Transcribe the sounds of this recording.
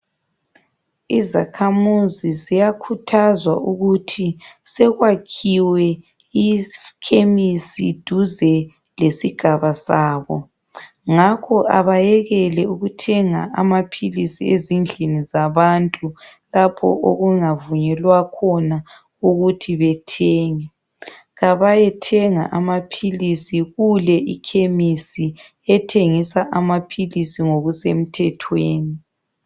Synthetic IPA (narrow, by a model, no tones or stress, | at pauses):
iza̰kʰamuzizijakʰutʰazwa̰ʔuɣutʰisɛɣwakʰiwɛ | ikʰemisid̥ʱuzɛ | lesiɡ̥ʱaβasaːβɔ | ŋakʰɔʔa̰βajɛɣɛlɛuɣutʰɛŋa̰ʔamapʰilisiezind͡ɮʱinizaβantʼu | lapʰɔ̰ʔo̰ɣuŋavuɲɛlwakʰɔna | uɣutʰiβɛtʰɛːŋɛ | ɣaβajɛtʰɛŋa̰ʔamapʰilisiɣulɛʔikʰemisi | ɛtʰeŋisaʔamapʰilisiŋoɣusem̩tʰɛtʰweːni